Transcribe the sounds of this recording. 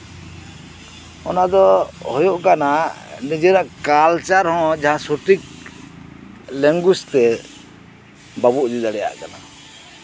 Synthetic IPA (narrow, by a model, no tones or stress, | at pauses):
ɔnad̪ɔhɔjoʔkana | nid͡ʒɛɾaʔkalt͡ʃaɾhɔ̃d͡ʒaɦãsuʈik̚ | lɛŋɡust̪ɛ | babuʔd͡ʒid̪aɽɛja̰ʔkana̰